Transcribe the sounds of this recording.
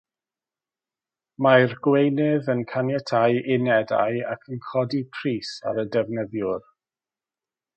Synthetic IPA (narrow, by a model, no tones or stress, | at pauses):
majrɡ̥wejnɪðənkʰanjɛtʰajʔɪnɛda̰ja̰kʰənkʰɔdipʰriːsa̰ɾədɛvnəðjʊr